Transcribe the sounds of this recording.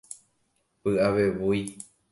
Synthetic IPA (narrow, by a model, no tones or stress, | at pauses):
pɨʔaʋe̞ʋuj